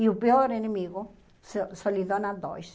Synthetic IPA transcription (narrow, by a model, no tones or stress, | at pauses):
iupeoɾenemiɣo | ssolid̪onãd̪o̰js